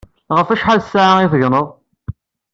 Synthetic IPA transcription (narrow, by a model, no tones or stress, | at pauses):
ʁəfæʃħalsːaʕaiθəʝnəðˤ